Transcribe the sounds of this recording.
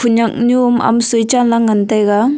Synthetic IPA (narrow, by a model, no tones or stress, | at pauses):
pʰuɲak̚ɲuma̰msujt͡ʃanlaŋantajɡa